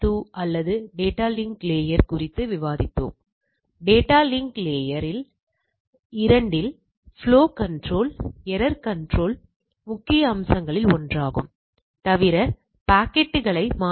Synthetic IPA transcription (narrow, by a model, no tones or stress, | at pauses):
ʈuːɐlːɐðɯɖeːʈːaːlɪŋkleːjɐɾkʊrɪt̪ːɯʋɪʋaːðɪt̪ːo̰ːm | ɖeːʈːaːlɪŋkleːjɐɾɪl | ɪɾɐɳɖɪl | fɭoːkɐɳɖroːlɛɾɐɾkɐɳɖroːl | mʊkːɪjɐːmsɐŋɡɐɭɪlɔndraːɣɯ̰m | t̪ɐʋɪɾɐ | paːkɛʈːɯɣɐɭɐɪmaː